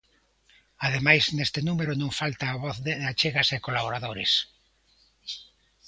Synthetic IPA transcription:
aðemajznest̪ɪnumeɾʊnõŋfalt̪aːβɔθðeðat͡ʃeɣɐsekolaβoɾaðoɾḛs

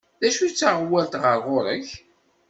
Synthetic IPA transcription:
ðæʃut͡sːaʁwælt̪ʁəɾʁʊɾəç

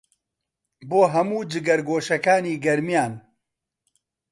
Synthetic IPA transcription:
boːɦɐmuːd͡ʒɨɡɐɾɡoːʃɐkaːniːɡɐɾmijaːn

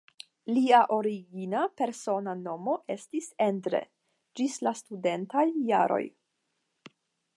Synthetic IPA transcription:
liaʔo̞ɾiɡinape̞ɾso̞nano̞mo̞ʔe̞stise̞ndɾe̞̰ | d͡ʒislastude̞ntajːa̰ɾo̞̰j

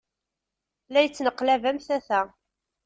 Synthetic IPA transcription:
læjət͡sːnəqːlævæmθæθæ

